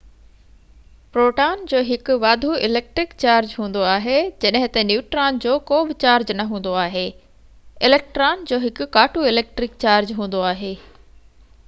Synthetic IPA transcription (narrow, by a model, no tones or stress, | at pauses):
pɾoːʈaːnd͡ʑoːɦɪkʊʋaːd̪ʱuɪleːk̚ʈɾɪkt͡ɕaːɾd͡ʑɦũːn̆d̪oaːɦed͡ʑɐɗɦɪ̃t̪ɐnjuːʈɾaːnd͡ʑoːkoːbɪt͡ɕaːɾd͡ʑnɐɦũːn̆d̪oaːɦeː | ɪleːk̚ʈɾaːnd͡ʑoːɦɪkʊ̆ːaːʈʰuɪleːk̚ʈɾɪkt͡ɕaːɾd͡ʑɦũːnd̪oaːɦeː